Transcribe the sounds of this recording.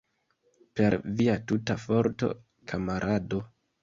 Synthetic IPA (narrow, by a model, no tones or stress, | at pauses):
pe̞ɾviatutafoɾto̞̰ | kʰamaɾʔado̞